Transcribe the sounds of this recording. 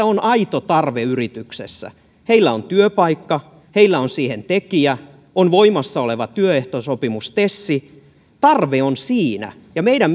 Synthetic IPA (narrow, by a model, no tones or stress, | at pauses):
æonʔɑit̪ot̪ɑrʋeyrit̪yksḛsːæ̰ | heilːæont̪yøpɑikːɑ | heilːæonsiːhent̪ekiæ | onʋoimɑsːɑoleʋɑt̪yøeht̪osopimust̪esːi | t̪ɑrʋeonsiːnæ̰ | jɑmeiɾæm